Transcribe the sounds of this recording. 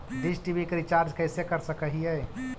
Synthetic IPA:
ɖisʈibikɾit͡ʃaɾd͡ʒkɛɪsekəɾsəkəɦiɛ

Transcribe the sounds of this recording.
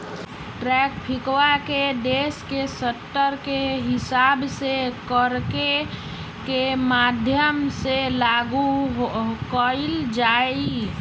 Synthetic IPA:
ʈɾɛkpʰɪkwakeɖeːskesəʈːəɾkeɦɪsaːbsekəɾke | kemad̪ʱjəmselaɡuɦkəild͡ʒai

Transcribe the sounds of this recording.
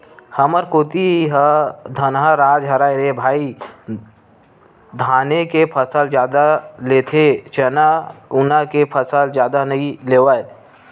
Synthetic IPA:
hɐməɾkoːt̪iɦəd̪ʱənɦəɾaːd͡ʒɦɐɾaːɾebʱaːi | d̪ʱaːnekepʰəsəld͡ʒjaːd̪aleːt̪ʰet͡ʃɐnaʊnakepʰəsəld͡ʒjaːd̪anɐileːʋae

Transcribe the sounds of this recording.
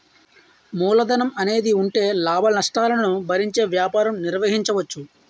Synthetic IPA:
muːlɐd̪ɐnɐmɐne̞ːd̪iuɳʈe̞ːlaːbʱɐnɐʂʈaːlɐnɐnubʱɐɾiɲt͡ʃe̞ːʋjaːpaːɾɐmniɾʋɐɦiɲt͡ʃɐʋɐt͡ʃːu

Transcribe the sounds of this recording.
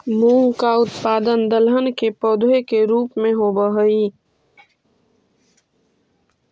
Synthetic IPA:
mũːŋkaʊt̪paːd̪ənd̪əlɦənkepɔːd̪ʱekeɾuːpmẽɦobəɦəi

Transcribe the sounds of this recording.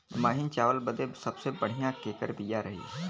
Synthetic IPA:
maːɦɪnt͡ʃaːʋəlbəd̪esɐbsebəɽ̤ijãkeːkəɾbijaɾɐɦḛː

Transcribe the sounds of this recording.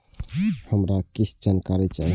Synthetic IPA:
həmɾakit͡ʃʰd͡ʒankaɾit͡ʃai

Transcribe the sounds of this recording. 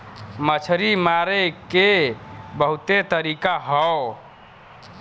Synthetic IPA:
mət͡ʃʰɾimaɾekebəɦut̪et̪əɾikaɦəw

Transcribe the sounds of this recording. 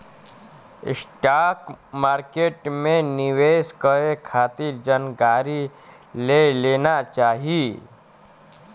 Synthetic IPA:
sʈakmaːɾkeʈmẽniʋeːskəekʰaːt̪iɾd͡ʒənɡaɾi | lelenat͡ʃaːɦi

